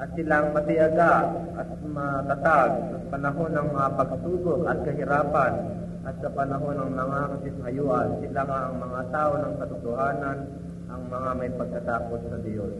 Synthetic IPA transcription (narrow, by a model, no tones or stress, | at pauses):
ʔɐt̪sɪlaŋmɐt̪ɪjɐɡa | ɐt̪̚mɐt̪ɐt̪aɡ̚sɐŋpɐnɐɦo̞nɐŋmɐŋapɐɡ̚suːbokɐt̪̚kɐɦɪɾaːpɐn | ʔɐt̪sɐpɐnɐɦo̞nɐŋmɐŋakɐsɪnhɐjuːʔɐnsɪlaŋaʔɐŋmɐŋat̪aːʔonɐŋkɐt̪ʊt̪ʊhaːnan | ʔɐŋmɐŋamɐjpɐɡ̚kɐt̪aːpo̞snɐd̪ɪjos